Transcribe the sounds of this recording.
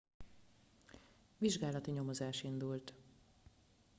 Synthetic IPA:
ʋiʒɡaːlɒt̪iɲo̞mo̞zaːʃind̪ult̪

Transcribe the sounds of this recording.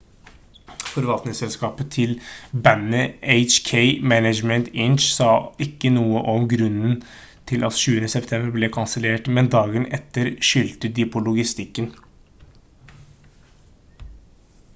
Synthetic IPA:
fɔɾʋɑlt̪nɪŋsɛlskɑːpət̪ʰɪlbænəʔeɪt͡ʃkʰeɪmænəd͡ʒmənt̪ɪnʃsɑːɪkːənuːəʔɔmɡɾʉnən | t̪ʰɪlʔɑ̰t̪ʃʉːənəsɛpt̪ʰɛmbəɾblɛkʰɑnsəleːʈmɛnd̪ɑːɡənʔɛt̪ːəɾʃʏlt̪əd̪ɪpʰɔlʊɡɪst̪ɪkːən

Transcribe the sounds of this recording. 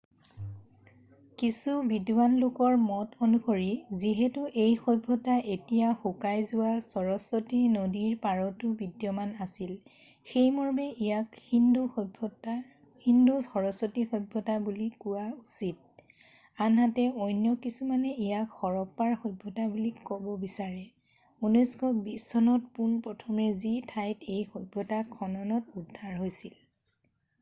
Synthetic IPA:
kisubidwanlʊkɔɹmɔtonuxoɹiziɦɛtʊʔejxɔbʱːɔtaʔetijaxukajzʊwasɔɹɔsotinodiɹpaɹɔtʊbidjɔmanasil | xejmɔɹmɛʔijakhindubʱ | hinduxɔɹɔsotixɔbʱːɔtabulikuwausit̚ | anɦatɛɔjnjɔkisumanɛijakxɔɹɔpːaɹxɔjbʱːɔtabulikɔbɔbisaɹɛ | unɔskɔbisɔnɔtpunpɹɔtʰɔmɛzitʰajtejxɔbʱːɔtakʰːɔnɔnɔtudʱːaɹɦojsil

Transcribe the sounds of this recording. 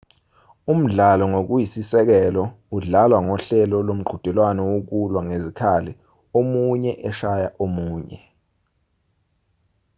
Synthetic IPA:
um̩ɮalɔŋok̬ujisisɛk̬ɛlɔ | uɮalwaŋɔɬɛlɔlom̩ɡ͡ǃʱud̥ʱɛlwanɔwok̬ulwaŋezikʰalɛ | omuɲɛʔɛʃajaʔomuːɲɛ

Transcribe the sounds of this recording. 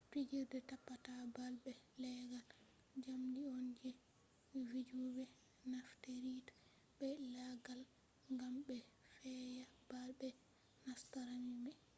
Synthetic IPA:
pid͡ʒiɾdɛtapːatabalɓɛlɛɡal | d͡ʒamdiɔnd͡ʒɛ | vid͡ʒubɛ | nafteɾitḁ | bɛlaɡal | ŋɡamɓɛfɛjabalbɛ | nastaɾamimɛ

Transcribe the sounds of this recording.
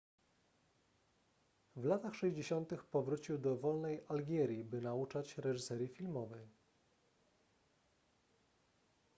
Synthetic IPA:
vlat̪axʂɛʑd͡ʑeɕɔnt̪ɘxpɔvɾut͡ɕiwd̪ɔvɔlnɛjʔalɡʲɛɾʲjibɘnaut͡ʂat͡ɕɾɛʐɘsɛɾʲjifʲilmɔvɛj

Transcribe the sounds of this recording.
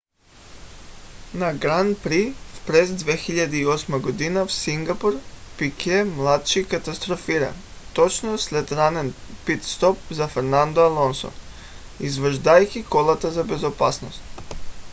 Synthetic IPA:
naɡɾanpɾifpɾezd̪ʋexiʎad̪eiosmaɡod̪inafsiŋɡapuɾpikemlˠat̪ʃikat̪ast̪ɾofiɾa̰nt̪ot͡ʃnoslet̪ɾanɛnpit̪st̪op̚zafeɾnand̪oalˠonso̰n | izʋr̩ʒd̪ajkikolˠat̪azabezopasnost̪

